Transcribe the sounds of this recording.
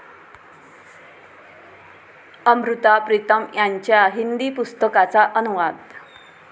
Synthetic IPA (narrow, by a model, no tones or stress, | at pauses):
əmɾut̪apɾit̪əmjaɲt͡ɕjaɦind̪ipust̪əkat͡saʔənuʋad̪